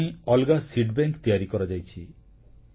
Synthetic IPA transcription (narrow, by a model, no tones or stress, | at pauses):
ĩɔlɡasiɖbeŋkt̪ijaɾikɔɾad͡ʒajt͡ʃʰi